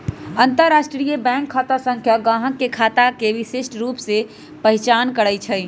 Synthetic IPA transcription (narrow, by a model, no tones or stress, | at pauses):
ənt̪əɾːaːʃʈɾijəbɛ̃ːŋkʰːat̪asə̃ŋkʰjaɡãɦəkːekʰaːt̪akeʋiseʃʈɾuːpse | pəɦɪt͡ʃaːnkəɽət͡ʃʰəj